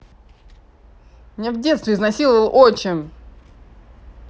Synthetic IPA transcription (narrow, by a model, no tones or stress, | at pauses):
mnʲevdʲe̞t̪st̪vʲɪznɐsʲilˠəvəlˠʔot͡ɕɪm